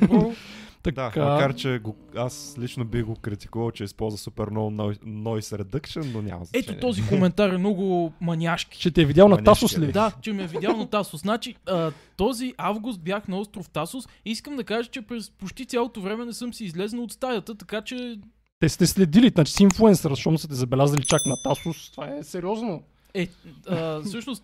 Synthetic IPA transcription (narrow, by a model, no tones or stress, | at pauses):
t̪ɐdd̪akamɐkaɾt͡ʃɛɡo | aslit͡ʃnobiɣɡokɾit̪i̥kuvəlˠt͡ʃɛispɔlˠzvəsupɛɾnɔnnɔjsɾɛd̪ɤkʃɛnːonʲa̰mɐ̰zɛt̪ot̪ɔzikomɛnt̪aɾɛmnɔɡʊmɐnʲaʃki̥t͡ʃɛt̪ɛɛvidʲjalˠnɐnasʊslɛd̪at͡ʃɛmiɛvid̪jalˠnɐt̪asʊsnat͡ʃiət̪ɔziʔavɡʊst̪̚bjaxnɐɔst̪ɾoft̪asʊsiskəmd̪ɐkaʒət͡ʃɛpɾɛspot͡ʃt̪it̪sʲjalˠot̪ovɾɛmɛnɛsɤmsiːzlɛznəot̪st̪ajət̪ət̪ɐkat͡ʃɛ | t̪ɛst̪ɛslɛd̪iliat͡ʃi̥siɱflˠuɛnsəɾʃɔmsət̪ɛzɐbɛlʲazɐlit͡ʃaknɐt̪asʊst̪vaɛsɛɾʲiɔzno | ɛəsɤʃnʊs